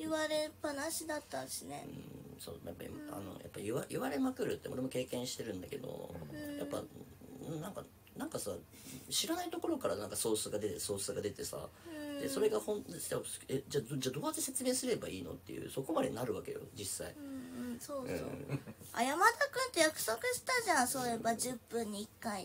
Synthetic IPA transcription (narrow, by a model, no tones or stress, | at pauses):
jiβaɾepanaɕid̪at̪ːaɕinḛɯ̰̃so̰ːjapːa̰ḭma̰no̞̰jʔa̰pːaiβaʔiβaɾe̞makɯ̟ɾɯ̟t̪ːe̞oɾemo̞ke̞ːkẽ̞ɰ̃ɕi̥t̪e̞ɾɯ̟̃nd̪ake̞d̪o̰japːã̰ | nãŋka | nãŋkasa | ɕiɾanait̪o̞ko̞ɾo̞kaɾanãŋkaso̞ːsɨɡad̪e̞t̪eso̞ːsɨɡad̪e̞t̪e̞sa̰d̪̥e̞so̞ɾe̞ɡahõ̞nt̪st̪eβased͡ʑad͡ʑaːd̪o̞ːat̪ːese̞t͡sɨme̞ːsɨɾe̞baiːno̞̰t̪ːe̞̰jɯ̟̰so̞ko̞mad̪e̞naɾɯ̟βake̞jo̞̰d͡ʑisːaĩsoːɯ̰oa̰jamad̪akɯ̟nt̪ojakɯ̟̥so̞kɯ̟sɨ̥t̪aʑãsoːjebad͡ʑɨpːɯ̟̃ɲ̟ːiːkːai